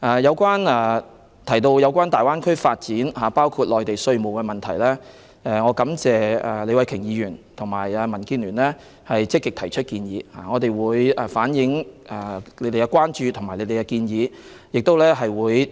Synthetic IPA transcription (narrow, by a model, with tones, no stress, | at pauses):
ʔɛː˨˧jɐ˨˧wkʷaː˥nɛː˨˧ | t̪ʰɐ˨˩jt̪o˧wjɐ˨˧wk̬ʷaː˥nt̪aː˨jwaː˥nkʰɵ˥ɥfaː˧t̚t͡siː˨˥nɦaː˨paː˥wkʰuː˧t̚lɔː˨˩jt̪e˨jsɵ˧ɥmo˨˩wkɛː˧mɐ˨nt̪ʰɐ˨˩jlɛː˥ | ʔɛ˧ŋɔː˨˧kɐ˨˥mt͡sɛː˨ɛ˧le˨˧jwɐ˨˧jkʰɪ˨˩ŋjiː˨˧jyː˨˩nt̪ʰʊ˨˩ŋmaː˨˩jɛː˧mɐ˨˩nkiː˧nlyː˨˩nlɛː˥ | hɐ˨jt͡sɪ˥kːɪ˨k̚t̪ʰɐ˨˩jt͡ʃʰɵ˥t̚kiː˧njiː˨˧ha̰˨ŋɔ˨˧t̪e˨jwuː˨˧jɛː˨˧faː˨˥njɪ˨˥ŋɛ˨˩le˨˧jt̪e˨˩kɛ˧kwaː˥nt͡ʃyː˨t̪ʰʊ˨˩ma˨jle˨˧jt̪e˨˩kɛ˧kiː˧njiː˨˧ | jɪ˨k̚t̪o˥wlɛː˥ɦɐ˨jwuː˨˧j